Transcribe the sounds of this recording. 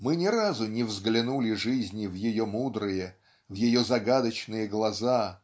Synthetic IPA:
mɨnʲɪɾazʊnʲɪvzɡlʲɪnulʲɪʐɨzʲnʲɪvjɪjomud̪ɾɨjə | vjɪjozɐɡad̪ət͡ɕnɨjəɡlˠɐza

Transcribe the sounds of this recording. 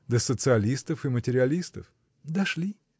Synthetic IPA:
d̪əsət̪sɨɐlʲist̪əfɨmətʲɪɾʲɪɐlʲist̪ə̰f | d̪ɐʂlʲi

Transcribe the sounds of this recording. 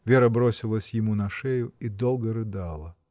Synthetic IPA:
vʲeɾəbɾosʲɪlˠəsʲjɪmunɐʂɛjʊid̪olˠɡəɾɨd̪ɑlˠə

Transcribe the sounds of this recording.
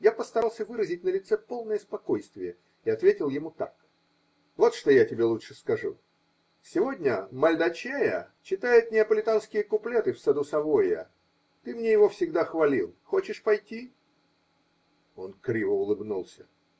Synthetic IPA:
japəst̪ɐɾalˠsʲəvɨɾəzʲɪtʲnəlʲɪt̪sɛpo̞lˠnəjəspɐko̞jst̪vʲɪjə | ɪɐt̪vʲetʲɪlˠjɪmut̪a̰k | vo̞t̪ʂt̪o̞jatʲɪbʲe̞lˠutʂɨskɐʐṵ | sʲɪvo̞dʲnʲəmɐlʲd̪ɐt͡ɕajə̰ | t͡ɕɪt̪ajɪt̪̚nʲɪɐpəlʲɪt̪anskʲɪjəkʊplʲet̪ɨfsɐd̪usɐvojə̰ | t̪ɨmnʲejɪvo̞fsʲɪɡd̪axvɐlʲilˠxot͡ɕɪʂpɐjtʲi | o̞nkɾʲivəʊlˠɨbnulˠsʲə

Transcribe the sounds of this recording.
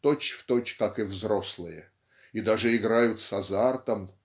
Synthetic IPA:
t̪ot͡ɕft̪ot͡ɕkakɨvzɾoslˠɨjə | id̪aʐɨɪɡɾajʊt̪sɐzart̪əm

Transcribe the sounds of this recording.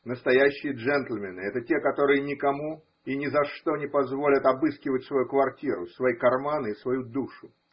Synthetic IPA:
nəst̪ɐjæɕːɪjəʐɛnt̪l̩ʲmʲɪnɨɛt̪ətʲekɐt̪o̞ɾɨjənʲɪkɐmu | inʲɪzɐʂt̪o̞nʲɪpɐzvo̞lʲət̪ɐbɨskʲɪvətʲsvɐjukvɐrtʲiɾʊ̰svɐjikɐrmanisvɐjud̪uʂʊ

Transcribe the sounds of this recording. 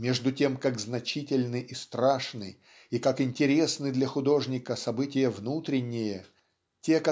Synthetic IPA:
mʲeʐd̪ʊtʲe̞mkaɡznɐt͡ɕitʲɪlʲnɨʔist̪ɾaʂnɨ̰ | ikakɪnʲtʲɪɾʲe̞snɨd̪lʲɐxʊd̪o̞ʐnʲɪkəsɐbɨtʲɪjəvnut̪ɾʲɪnʲːɪjə | tʲe̞kɐ

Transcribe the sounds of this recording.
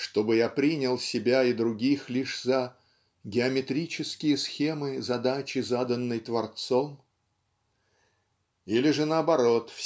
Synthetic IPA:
ʂt̪o̞bɨjapɾʲinʲɪlˠsʲɪbʲaɪd̪ɾʊɡʲixlʲiʂzə | ɡʲɪɐmʲɪt̪ɾʲit͡ɕɪskʲɪjəsxʲemɨzɐd̪at͡ɕɪzad̪ənːəjt̪vɐrt̪so̞m | ilʲɪʐɨnəɐbɐɾo̞t̪f

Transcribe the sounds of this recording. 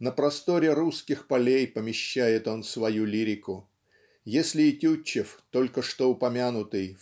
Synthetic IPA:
nəpɾɐst̪o̞ɾʲɪɾuskʲɪxpɐlʲejpəmʲɪɕːæjɪt̪o̞nsvɐjulʲiɾʲɪkʊ | jesʲlʲɪɪtʲut͡ɕːɪft̪o̞lʲkəʂt̪o̞ʊpɐmʲanʊt̪ɨj

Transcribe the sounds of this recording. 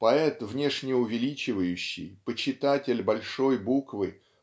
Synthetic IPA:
pɐɛt̪vnʲeʂnʲɪʊvʲɪlʲit͡ɕɪvəjʉɕːɪ̰jpət͡ɕɪt̪atʲɪlʲbɐlʲʂo̞jbukvɨ

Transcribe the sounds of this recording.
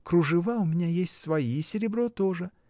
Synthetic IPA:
kɾʊʐɨvaʊmʲɪnʲajesʲtʲsvɐisʲɪɾʲɪbɾot̪oʐɨ

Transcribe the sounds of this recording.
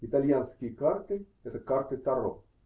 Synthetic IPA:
it̪aljanskikaɾt̪e | et̪ekaɾt̪et̪aro̰

